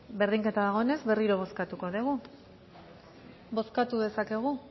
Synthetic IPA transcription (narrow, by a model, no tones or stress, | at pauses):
be̞ɾðiŋke̞t̪aðaɣ̞o̞ene̞zβe̞riɾo̞β̞o̞skat̪uko̞ðeɣ̞u | bo̞skat̪uðe̞sake̞ɣ̞u